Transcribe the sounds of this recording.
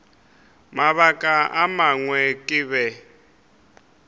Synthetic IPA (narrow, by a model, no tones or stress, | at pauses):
maβakʼaʔa̰maŋwɛkʼɪβɛ